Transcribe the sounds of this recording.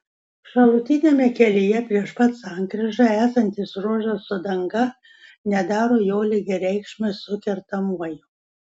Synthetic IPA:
ʃɐlˠʊt̪ʲɪnʲeːmʲɛkʲɛlʲɪjɛpʲɾʲiɛʃpɐt̪sɑˑŋkɾʲɪʒɐæːsɐnʲt̪ʲɪsɾuɔʒʲɐsʊd̪ɐŋɡɐ | nʲɛd̪ɑːɾoːjoːlʲɪɡʲɛɾʲɛɪkʃʲmʲɐsʊkʲɛɾt̪ɐmuɔjʊ

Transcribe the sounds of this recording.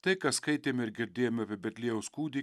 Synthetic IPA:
t̪ɐɪkɐskɐɪt̪ʲeːmɪɾɡʲɪɾʲd̪ʲeːjomʲɐpʲiɛbʲɛt̪ʲlʲiɛjɛʊskuːd̪ʲi

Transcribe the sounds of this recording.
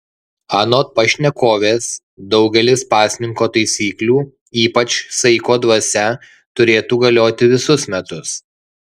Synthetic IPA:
ɑːnoːt̪̚pɐʃʲnʲɛkoːʋʲeːs | d̪ɒʊɡʲɛlʲɪspɑːsʲnʲɪŋkoːt̪ɐɪsʲiːklʲuː | iːpɐt͡ʃsɐɪkoːd̪ʋɐsʲɛ | t̪ʊɾʲeːt̪uːɡɐlʲoːt̪ʲɪʋʲɪsʊsmʲɛt̪ʊs

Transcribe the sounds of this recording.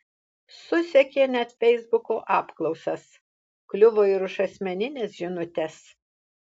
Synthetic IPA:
sʊsʲɛkʲeːnʲɛt̪fʲɛɪzbʊkoːʔɑːpklˠɒʊsɐs | klʲʊʋoːɪɾʊʃɐsʲmʲɛnʲɪnʲeːsʒʲɪnʊt̪ʲɛs

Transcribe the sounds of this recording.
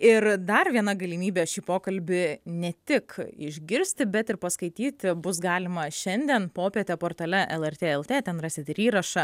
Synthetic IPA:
ɪrd̪ɐrʋʲiɛnɐɡɐlʲimʲiːbʲeːʃʲiːpoːkɐlʲbʲɪnʲɛt̪ʲɪkɪ̰ʒʲɡʲɪɾʲsʲt̪ʲɪbʲɛt̪ɪɾpɐskɐɪt̪ʲiːt̪ʲbʊsɡɑːlʲɪmɐʃʲɛnʲd̪ʲɛnpoːpʲeɛt̪ʲɛpoːrt̪ɐlʲɛʔɛlˠɛrʲt̪ʲeːɛlˠt̪ʲeːt̪ʲɛnrɑːsʲɪt̪ʲɪɾʲiːɾɐʃɐ

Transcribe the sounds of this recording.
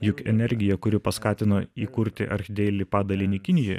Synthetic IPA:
jʊkʲɛnʲɛɾʲɡʲɪjɛkʊɾʲɪpɐskɑːt̪ʲɪnoːiːkʊɾʲt̪ʲɪ̰ʔɐ̰ɾʲxʲɪd̪ʲɛːlʲɪpɑːd̪ɐlʲɪnʲɪkʲɪnʲɪjoːj

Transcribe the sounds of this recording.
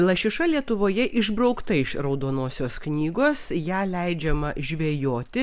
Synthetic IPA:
lˠɐʃʲɪʃɐlʲiɛt̪ʊʋoːjɛʔɪʒbɾɒʊkt̪ɐɪʃrɒʊd̪oːnoːsʲoːsknʲiːɡoːsjæːlʲɛɪd͡ʒʲɛmɐʒʲʋʲeːjoːt̪ʲɪ

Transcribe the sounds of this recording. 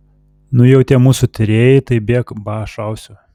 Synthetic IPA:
nʊjɛʊt̪ʲiɛmuːsʊt̪ʲɪɾʲeːjɪt̪ɐɪbʲeːkbɑːʃɐʊsʲʊ

